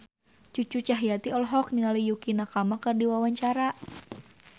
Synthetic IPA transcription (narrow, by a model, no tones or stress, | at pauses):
t͡ʃut͡ʃut͡ʃaɦjat̪iɔlɦɔk̚niŋalijukinakamakɨrdiwawaɲt͡ʃaɾa